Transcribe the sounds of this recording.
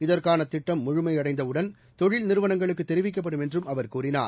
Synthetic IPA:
ɪðɐrkaːnɐt̪ːɪʈːɐmːʊɻʊmɐɪɐɽɐɪnd̪ɐɯɽɐn | t̪ɔɻɪlnɪɾɯʋɐnɐŋɡɐɭɯk̬ːɯt̪ːɛɾɪʋɪk̬ːɐp̬ːɐɽɯmɛndrɯmɐʋɐɾkuːɾɪna̰ː

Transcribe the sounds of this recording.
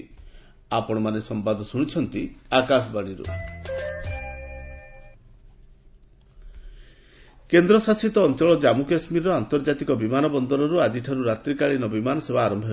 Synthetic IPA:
apɔɽ̃ɔmanesɔmpad̪ɔsuɽ̃it͡ʃʰɔnt̪iakas̬ɔbaɽ̃iɾṵ | kend̪ɾɔsasit̪ɔːnt͡ʃɔɭɔd͡ʒamukasmiɾɔant̪ɔɾd͡ʒat̪ikɔbimanɔbɔnd̪ɔɾɔɾuad͡ʒiʈʰaɾuɾat̪ɾikaɭinɔbimanɔsebaːɾɔmbʱɔɦ

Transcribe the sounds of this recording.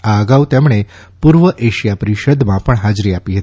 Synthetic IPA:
aəɡaut̪emɳ̃e | puɾʋəʔeʃjapəɾiʃəd̪mãpəɳɦad͡ʒɾiapiɦət̪

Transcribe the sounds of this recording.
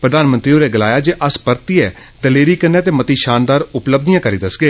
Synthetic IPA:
pɾəd̪aːnmə̃nt̪ɾiːoːɾeːɡəlaːjaːd͡ʒeːʔəspəɾt̪iːɛː | d̪əleːɾiːkənːeːt̪̬eːmət̪iːʃaːnd̪aːɾʊpləb̚d̪ijãːkəɾiːd̪əsɡeː

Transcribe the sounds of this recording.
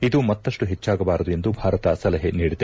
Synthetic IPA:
id̪umɐt̪ːɐʂʈuɦet͡ʃːaːɡɐbaːɾɐd̪ue̞nd̪ubʱaːɾɐt̪ɐsɐlɐɦeniːɽid̪e

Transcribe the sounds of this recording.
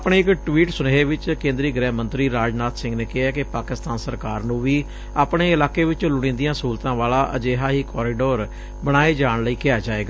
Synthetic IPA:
pɳeːɪkʈʋiːʈsʊneːeːʋɪt͡ʃkẽːnd̪ɾiːɡɾɛːɦmə̃nt̪ɾiːɾaːd͡ʒnaːt̪sɪ̃ŋɡneːkɪɦɛːkɪpaːkɪst̪aːnsəɾkaːɾnũːʋiː | aːpɳeːɪlaːkeːʋɪt͡ʃlʊɽ̃ĩːnd̪ijãːsuːlt̪ãːʋaːlaːʔə̰d͡ʒeːɦaːɦiːkʰɔːɾiːɖoːɾ | bəɽ̃aːeːd͡ʒaːɳləiːkɪaːd͡ʒaːeːɡaː

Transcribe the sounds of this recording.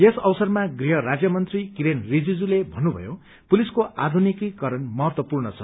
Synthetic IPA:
jesʌwsʌrmaɡriɦʌɾad͡zjʌmʌnt̪rikiɾenrid͡zid͡zulebʱʌnːubʱʌ̰jo | puliskoa̰d̪ʱunikikʌɾʌnmʌɦʌt̪wʌpurnʌt͡sʰʌ̰

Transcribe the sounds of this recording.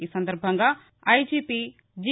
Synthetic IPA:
iːsɐnd̪ɐɾbʱɐŋɡaː | ɐjd͡ʒiːpi | d͡ʒi

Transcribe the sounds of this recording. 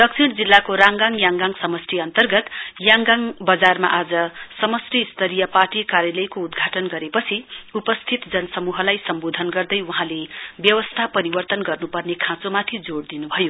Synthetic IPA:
d̪̥ʌksʰiɽd͡zilːakoɾaŋɡaŋjãŋɡaŋsʌmʌsriʌnt̪ʌrɡʌt̪jaŋɡaŋbʌd͡zarma̰ʔad͡zʌsʌmʌsriist̪ʰʌɾijʌparʈikaɾjʌlʌjkoud̪ɡʱaʈʌnɡʌɾepʌt͡sʰiupʌst̪ʰit̪d͡zʌnʌsʌmuɦʌlajsʌmbod̪ʱʌnɡʌrd̪ʌjwuɦãlebjʌwʌst̪ʰapʌɾibʌrt̪ʌnɡʌrnupʌrnekʰãt͡somat̪ʰid͡zoɽd̪inubʱʌjo

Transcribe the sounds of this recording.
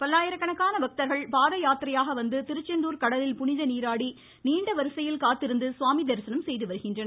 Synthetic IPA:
pɐlːaːjɐɾɐkːɐɳɐkːaːnɐʋɐk̚t̪ɐɾɣɐɭpaːðɐjaːt̪ɾɐjaːɣɐʋɐnd̪ɯt̪ɪɾɯt͡ʃːɐnd̪uːɾkɐɽɐlɪlpʊɳɪðɐniːɾaːɽi | niːɳɖɐʋɐɾɯsɐjɪlkaːt̪ːɪɾɯnd̪ɯsʊʋaːmid̪ɐɾsɐnɐmsɛjðɯʋɐɾɯɣɪndrɐnɐ

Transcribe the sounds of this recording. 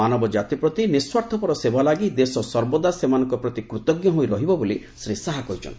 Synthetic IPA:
anɔbɔd͡ʒat̪ipɾɔt̪iniswaɾt̪ʰɔpɔɾɔsebʱalaɡid̪esɔsɔɾbɔd̪asemanɔŋkɔpɾɔt̪ikɾut̪ɔɡjɔɦojɾɔɦibɔboli | sɾisaɦakɔɦit͡ʃʰɔ̰ni

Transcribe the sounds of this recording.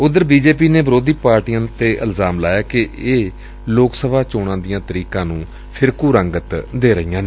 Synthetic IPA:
ʊd̪əɾbiːd͡ʒeːpiːneːbəɾoːd̪iːpaːɾʈijãːt̪eːʔəlzaːmlaːjaːkɪeː | loːksəbaːt͡ʃoːɽãːd̪ɪjãːt̪əɾiːkãːnũː | pʰɪɾkuːɾə̃ŋɡət̪d̪eːɾəɦijãːneː

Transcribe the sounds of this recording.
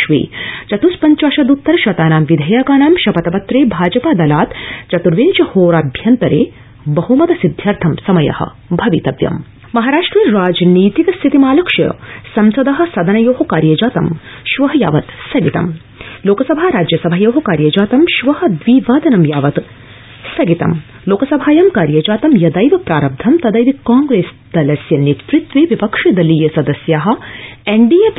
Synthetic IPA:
ʃʋḛːt͡ʃɐt̪uspɐɲt͡ʃaːʃɐd̪ut̪ːɐɾɐʃɐt̪aːnaːmʋid̪ʱɐjaːkaːnaːmʃɐpɐt̪ɐpɐt̪ɾeːbʱaːd͡ʒɐpaːd̪ɐlaːt̪t͡ʃɐt̪uɾʋeːnt͡ʃɐhoːɾabʱjɐnt̪ɐɾḛː | bɐɦumɐd̪ɐsid̪ʱjaːɾt̪ʰɐmsɐmɐjɐ̰hɐ̰̆ | bʱɐʋit̪ɐʋjɐ̰m | mɐɦaːɾaːʂʈɾiːɾaːd͡ʒniːt̪ikɐst̪ʰit̪imaːlɐkʃɐ̰sɐmsɐd̪ɐɦɐ̆sɐd̪ɐnɐjoːɦɐ̆kaːɾjɐd͡ʒaːt̪ɐmʃʋɐɦɐja̰ːʋɐt̪sɐɡit̪ɐ̰m | loːkɐsɐbʱaːɾaːd͡ʒjɐsɐbʱajoːɦɐkaːɾjɐd͡ʒaːt̪ɐmʃʋɐɦɐ̆d̪ʋiːʋaːd̪ɐnɐmjaːʋɐt̪ | sɐɡit̪ɐ̰m | loːkɐsɐbʱaːjɐmkaːɾjɐd͡ʒaːt̪ɐmjɐd̪ɐjʋɐpɾaːɾɐb̚d̪ʱɐmt̪ɐd̪ɐjʋ̪ikaːŋɡɾeːs | d̪̥ɐlɐsjɐnːit̪ɾit̪ʋiʋipɐkʂɐd̪ɐlijɐsɐd̪ɐsjaːɦɐ̆eɳɖijɐp

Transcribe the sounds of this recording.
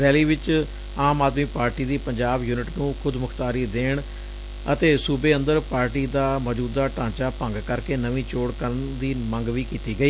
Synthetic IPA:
ɾɛːliːʋɪt͡ʃ | aːmaːd̪miːpaːɾʈiːd̪iːpəɲd͡ʒaːbjuːnɪʈnũːkʰʊd̪mʊkʰt̪aːɾiːd̪eːɳ | ət̪eːsuːbeːənd̪əɾpaːɾʈiːd̪aːməd͡ʒuːd̪aːʈãːt͡ʃaːpə̃ŋɡkəɾkeːnəʋĩːt͡ʃoːɽkəɾnd̪iːmə̃ŋɡʋiːkiːt̪iːɡəiː

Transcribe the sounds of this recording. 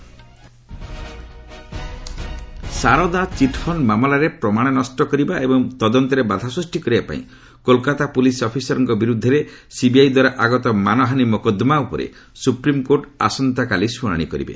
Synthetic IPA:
saɾɔd̪at͡ʃiʈpʰɔnmamɔlaɾepɾɔmaɽ̃ɔnɔsʈɔkɔɾibaʔebɔŋt̪ɔd̪ɔnt̪ɔɾebad̪ʱasɾusʈikɔɾibapa̰ḭ̃ | kolkat̪apulisɔpʰisɔɾɔŋkɔbiɾud̪ʱːɔɾesibiajd̪waɾaʔaɡɔt̪ɔmanɔɦanimɔkɔd̪ɔmaupɔɾḛ | supɾimkoɾʈa̰sɔnt̪akalisuɽ̃a̰ɽ̃ikɔɾḭbḛ

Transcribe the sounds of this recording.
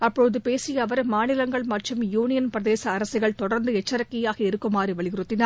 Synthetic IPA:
ɐpːɔɻɯðɯpeːsɪjɐʋɐɾmaːnɪlɐŋɡɐɭmɐʈrɯmjuːnɪjɐnpɾɐðeːsɐːɾɐsɪɣɐɭt̪ɔɽɐɾnd̪ɯɛt͡ʃːɐɾɐkːɪjaːɣɐɪɾɯkːɯmaːɾiʋɐɭɪɣɪɾɯt̪ːɪnaː

